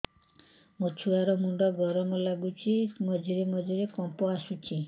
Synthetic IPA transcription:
mot͡ʃʰuaɾɔmuɳɖɔɡɔɾɔmɔlaɡut͡ʃʰimɔd͡ʒiɾemɔd͡ʒiɾekɔmpɔasut͡ʃʰi

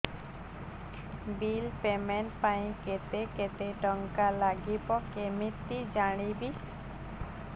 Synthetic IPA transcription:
bilpemɛnʈpaĩket̪eket̪eʈɔŋkalaɡipɔkemit̪ːid͡ʒaɽ̃ibi

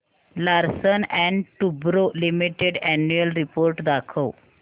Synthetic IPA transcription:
laɾsənɛ̃ɳɖʈubɾolimiʈeɖɛnjuəlɾipoɾʈd̪akʰəw

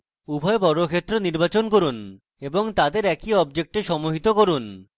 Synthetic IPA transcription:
ubʱɔebɔɾokʰet̪ːɾoniɾbat͡ɕonkoɾun | eboŋt̪ad̪eɾɛkiɔbd͡ʑek̚ʈeʃɔmoɦit̪okoɾun

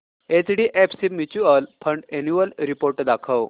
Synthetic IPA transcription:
et͡sɽiʔɛpsibmut͡ɕuəlpʰəɳɖenjuʋəlɾipoɾʈd̪akʰəw

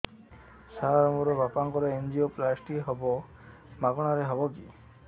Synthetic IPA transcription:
saɾɔmɔɾɔbapaŋkɔɾɔend͡ʒioplasʈiɦɔbɔ | maɡɔɽ̃aɾeɦɔbɔki

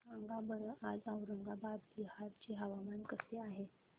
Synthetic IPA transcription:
əŋɡabəɽəʔad͡zawɾəŋɡabad̪liɦaɾt͡ɕeɦəʋamankəseaɦe

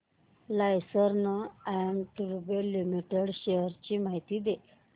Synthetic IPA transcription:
lajsəɾnəaɳʈuɾbelimiʈeɽɕejəɾt͡ɕiːmaɦit̪iːd̪e

